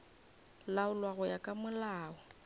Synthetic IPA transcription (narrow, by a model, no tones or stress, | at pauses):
laʊlwaɣʊjakʼamʊlaːɔ